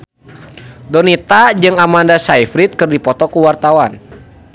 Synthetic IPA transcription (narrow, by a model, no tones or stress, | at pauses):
dɔnit̪ad͡ʒɨŋamandasaifɾit̪̚kɨrdipɔt̪ɔkuwart̪awan